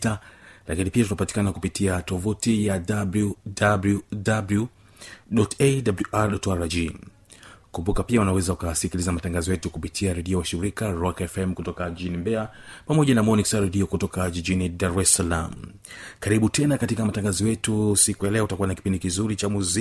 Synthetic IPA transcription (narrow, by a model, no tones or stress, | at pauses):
talakinipiatutapati̥kanakupitʰiatɔvutijadabludabludablu | ɗɔtedabluʔaɾɗɔtaɾad͡ʒi | kumbukapiaunawɛzaukasikilizamataŋɡazɔjɛtukupitʰiaɾɛɗiɔwaʃiɾikaɾɔkɛfɛmkutɔkaɟid͡ʒinimbɛapamɔʄanamɔniksaɾɛɗiɔkutɔkaʄiʄinidaɾɛsala̰m̩ | kaɾiɓutʰɛnakatikamataŋɡazɔjɛtusikujalɛɔtakuwanakipindikizuɾit͡ʃamuzi